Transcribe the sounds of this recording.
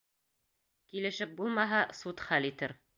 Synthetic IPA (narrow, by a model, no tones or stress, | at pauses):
kilɘ̆ʃɘp̚bulˠmɑɦɑsut̪χælit̪ɘɾ